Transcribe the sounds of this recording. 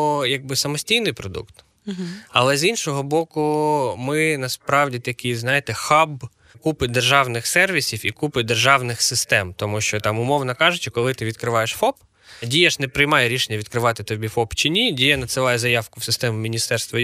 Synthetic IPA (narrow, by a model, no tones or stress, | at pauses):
jɐɡ̚bɪsɐmɔsʲtʲijnɪjpɾɔd̪ṵkt̪ | ɐ̰lˠɛzinʃɔɦɔbɔkʊmɪnɐspɾɑwdʲit̪ɐkʲijznɑjɪt̪ɛxɑb | kupɪd̪erʒɑwnɪxsɛrʋʲisʲiwikupɪd̪erʒɑwnɪxsɪst̪ɛmt̪ɔmuʃt͡ʃɔt̪ɑmʊmɔwnɐkɑʒʊt͡ʃɪkɔlˠɪt̪ɪʋʲid̪kɾɪʋɑjeʃfɔp | dʲijɐʃnɛpɾɪjmɑjeɾʲiʃenʲːɐʋʲid̪̚kɾɪʋɑt̪ɪt̪ɔbʲifɔpt͡ʃɪnʲidʲijɐnɐt̪sɪlˠɑjɛzɐjɑwkʊwsɪst̪ɛmʊmʲinʲist̪ɛrst̪ʋɐ